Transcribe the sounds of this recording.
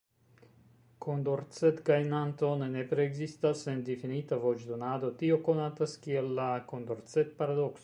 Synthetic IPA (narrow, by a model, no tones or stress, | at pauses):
kond̪oɾt͡set̪kajnant̪o̞nenepɾeːɡzist̪asend̪ifinit̪avot͡ʃd̪onad̪o̞t̪io̞konat̪askielːakond̪oɾt͡set̪̚paɾad̪okso